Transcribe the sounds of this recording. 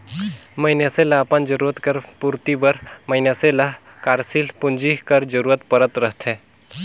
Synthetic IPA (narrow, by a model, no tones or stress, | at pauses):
məɪnjaselaːpənd͡ʒəɾuːɾət̪kəɾpuɾt̪ibəɾmɐɪnjasela | kaːɾsilpʊnd͡ʒiɦkəɾd͡ʒəɾuːɾət̪pəɾət̪ɾəɦt̪ʰɦɛː